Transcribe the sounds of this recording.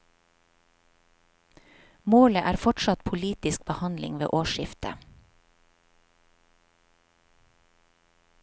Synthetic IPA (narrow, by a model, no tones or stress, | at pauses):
moːləʔæːɾfɔʈʃɑt̪pʰʊliːt̪ɪsk̚bəhɑnlɪ̰ŋʋḛːʔoːʃɪft̪ʰə̰